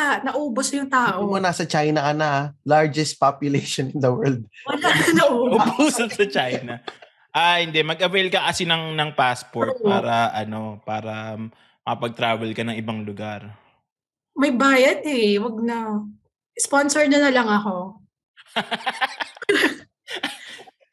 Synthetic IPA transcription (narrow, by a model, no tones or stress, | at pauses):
anɐʔuːbosjʊŋt̪aːʔomʊnasɐt͡ʃajnɐʔɐnalaɹd͡ʒɛst̪̚papjʊlejʃɔnɪnd̪ɐwɛɹld̪̚ʊnaɐnɐʔoːbʊbusɐsɐt͡ʃajnɐ | ʔahɪnd̪ɛmɐɡʔɐvejlkɐkɐsɪnɐŋnɐŋpaspoɹt̪̚pa̰ːɾɐʔɐno̞paːɾɐ | mɐkɐpɐɡ̚t̪ɾaːvɛlkɐnɐŋɪbaŋlʊɡaɾ | mɐjbaːjɐd̪̚hɛwɐɡ̚nɐ | sponsɛɹnɐnɐlɐŋɐko̞